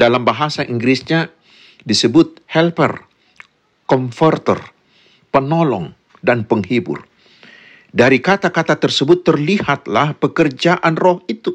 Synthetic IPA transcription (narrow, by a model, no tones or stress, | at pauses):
dalambaɦasaʔiŋɡɾisɲa | disəbʊt̪̚hɛlpə̰r | kɔmfərt̪ə̰r | pənɔlɔ̰ŋ | danpəŋhibʊ̰r | daɾikat̪akat̪at̪ərsəbʊt̪ːərlihat̪lahpəkərd͡ʒaʔanrɔhit̪u